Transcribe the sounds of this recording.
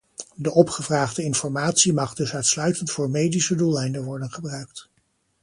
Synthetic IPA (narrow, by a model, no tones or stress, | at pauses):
dəʔɔpχəvraːχdəɪnfɔɹmaːtsimɑχdɵsœɥtslœɥtəntfʊːɹmejdisədulɛjndənʋɔɹdənχəbrœɥkt